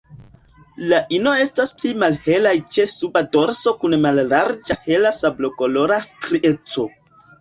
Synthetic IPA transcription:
laʔino̞e̞stasplimalhe̞lajt͡ʃe̞subado̞ɾso̞kunmalːaɾd͡ʒahe̞lasablo̞ko̞lo̞ɾastɾie̞t͡so̞

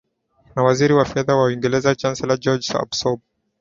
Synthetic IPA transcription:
nawaziɾiwafɛðawaiŋɡɛlɛzat͡ʃansɛlad͡ʒɔd͡ʒsa̰bsɔb̚

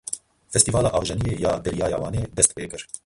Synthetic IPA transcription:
fɛst̪iːvɑːlɑːʔɑːwʒɛnijeːjaːd̪ɛɾijɑːjɑ̰ːwɑːneːd̪ɛst̪̚peːkɨɾ

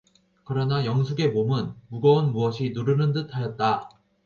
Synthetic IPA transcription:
kɯɾʌnajʌŋsʰuɡe̞momɯnmuɡʌunmuʌɕʰinuɾɯnɯntɯtʰajʌt̚t͈a

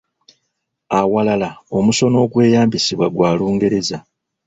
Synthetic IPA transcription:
awalalao̞muso̞no̞ːɡwe̞ːjaːmbisiβwaɡwaːluːŋɡe̞ɾe̞za

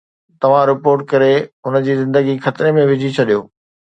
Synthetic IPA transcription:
t̪ɐʋ̤ãɾɪpoːɾʈ̚kɐɾeɦʊnəd͡ʑiːzɪ̃nd̪əɡixɐt̪ɪɾemẽʋɪd͡ʑʱit͡ɕʰɐɗijoː

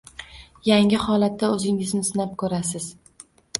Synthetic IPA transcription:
jaŋɪhɒlat̪̚ːaɵzɪŋɪzmɪsɪnap̚kʰɵɾasɪz̥

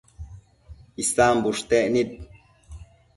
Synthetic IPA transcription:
ist̪aːmbuʂt̪eʔnit̪̚

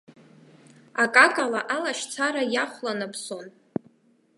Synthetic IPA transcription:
akʼakʼalaʔalaʃt͡sʰaɾajaχʷlanapʰsom

